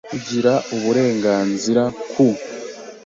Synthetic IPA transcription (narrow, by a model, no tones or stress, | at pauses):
uɟiɾauβuɾe̞ːŋɡaːnziɾakʰu